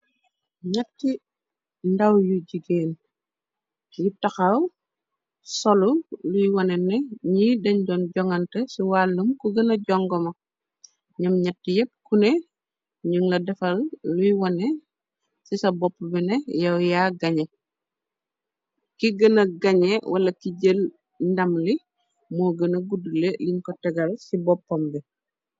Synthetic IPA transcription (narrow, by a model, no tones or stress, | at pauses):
ɲɐtːi | ndɐwjuɟiɡeːn | jutɐxɐw | sɔlulujwɐnɛnɛɲiːdɐɲɟɔːnɟɔŋɐntɛsiwalːumkuɡɐnɐɟɔŋɡɔmɐ | ɲɐmɲɐtːijɛp̚kunɛ | ɲuŋlɐdɛfɐlːujwɐnɛ | sisɐbɔpːbɛnɛjɐwjaːɡɐɲe | kiɡɐnɐɡɐɲɛwʔɐlɐkiɟəl | ndɐmli | moɡənɐɡuduleliɲkɔtɛɡɐlsibɔpːɔmbɛ